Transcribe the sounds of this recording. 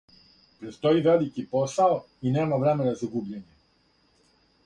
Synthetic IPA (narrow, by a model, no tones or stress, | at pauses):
pɾet̪st̪oiʋelikiposao | ineːmaʋɾemenazaɡubʎeɲe